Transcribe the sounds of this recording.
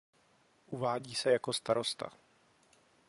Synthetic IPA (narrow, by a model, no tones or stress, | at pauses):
ʔuvaːɟiːsɛjakost̪aɾo̞st̪a̰